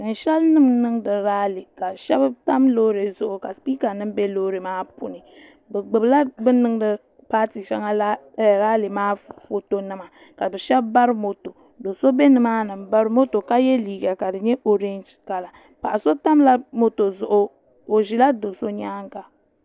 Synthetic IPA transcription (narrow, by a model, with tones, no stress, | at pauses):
n̩˨ʃɛ˦lnɨ˦mnɨ˦ŋ˦dɨ˨ɾaː˦li˨ka˨ʃɛ˦bɨ˦ta˦mlo˦ɾe˨zʊ˨ʔʊ˨ka˨spiː˦ka˨nɨ˦m˦bɛ˦loː˦ɾe˨maː˦pṵ˦nɨ˨ | bɛ˨ɡ͡bɨ˨bla˦bɨ˦nɨ˦ŋ˦dɨ˦ | paː˦ti˨ʃɛ˦ŋa˦la˦˨ | ɾaː˦li˨maː˦fo˦to˨nɨ˦ma˨ | ka˨bɨ˨ʃɛ˦bba˦ɾɨ˦mo˨to˨ | do˨so˦bɛ˦nɨ˨maː˦nɨ˨mba˦ɾɨ˦mo˦to˨ka˦jɛ˦liː˨ɡa˨ka˨dɨ˨ɲɛ˦ʔo˨ɾe˦nd͡ʒka˨la˨ | pa˨ʔa˨so˦ta˦mla˦mo˦to˨zʊ˨ʔʊ˦ | o˨ʒi˨la˦do˨so˦ɲaː˦ŋka˨